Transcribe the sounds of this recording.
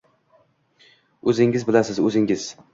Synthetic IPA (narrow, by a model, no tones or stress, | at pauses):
ɵzɪŋɪzbɪlasɪzɵzɪŋɪz̥